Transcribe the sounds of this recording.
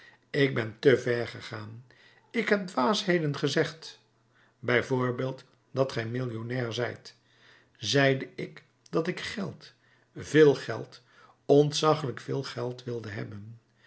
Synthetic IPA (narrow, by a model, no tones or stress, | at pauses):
ɪɡ̚bɛntəvɛɹχəχaːn | ɪkɦɛp̚dʋaːsɦejdənχəzɛχt | bɛjvʊːɹbeːlˠt | dɑtχɛjmɪlˠjonɛːɹzɛjt | zɛjdəɪk | d̥ɑtɪkχɛlˠt | vɪːlˠχɛ̰lˠt | ɔntsɑχələkfɪːlˠχɛlˠtʋɪlˠdəɦɛ̰bən